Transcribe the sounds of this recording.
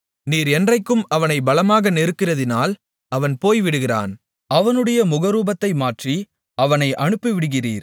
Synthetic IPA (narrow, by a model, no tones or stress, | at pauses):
niːɾɛndrɐɪkːɯmɐʋɐnɐɪbɐlɐmaːɣɐnɛɾɯkːɪrɐðɪnaːl | ɐʋɐnpoːjʋɪɽɯɣɪra̰ːn | ɐʋɐnɯɽɐjɐmʊɣɐɾuːbɐt̪ːɐɪmaːʈri | ɐʋɐnɐɪʔɐɳɯpːɯʋɪɽɯɣɪrḭːɾ